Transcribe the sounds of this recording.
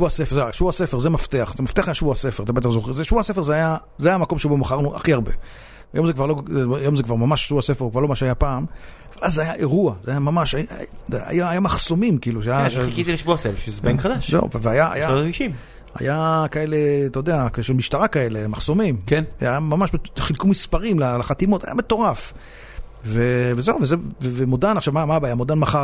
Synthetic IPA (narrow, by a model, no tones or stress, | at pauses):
ʃvuasefezeʃvuase̞feʁzemaft̪eaχzemaft̪eaχajaʃvuasefeʁat̪abe̞t̪aχzoχizeʃvuase̞fe̞ʁzeaja | zeajamako̞mʃebomaχaʁnuʔa̰χiaʁbe | ajo̞mzekvaʁlojo̞mzekvaʁmamaʃʃvuase̞feʁukvaʁlomaʃajapaːm | avalʔazeajaʔeʁuazeajamamaʃa̰dḛa̰jaːjamaχso̞mimkiiːluʃeajaaʃkit̪ileʃvuasefeʃezebenkχad̪aʃzḛṵveveajaa̰jaaiʃim | a̰jakae̞let̪ajd̪eakzeʃelmiʃtaʁakae̞lemaχso̞mimken̰ajamamaʃeχilkumispaʁimlalaχat̪imo̞t̪a̰ja̰me̞t̪o̞ʁaf | vevezeuvezevevemodanaχʃavmamabajamodanmaχa